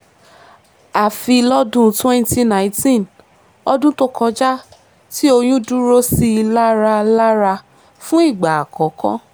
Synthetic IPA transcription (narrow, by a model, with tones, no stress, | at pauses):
a˨fi˧lɔ˦dũ˦twɛ̃˦n˦ti˦nã˨ĩ˦tĩ˦˨n | ɔ˧dũ˦to˦kɔ˧d͡ʒa˦ | ti˦o˧j̃ũ˦dũ˦ɾo˦si˦˧la˦ɾa˧la˦ɾa˧ | fũ˦i˦˨ɡ͡ba˨a˨kɔ˨˦kɔ̰̃˦